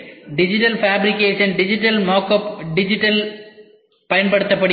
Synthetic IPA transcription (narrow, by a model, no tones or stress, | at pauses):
ɖɪd͡ʒɪʈɐlfaːbɾɪkeːʂɐnɖɪd͡ʒɪʈːɐlmaːkɐpɖɪd͡ʒɪʈːɐl | pɐjɐnpɐɽɯt̪ːɐpːɐɽɪ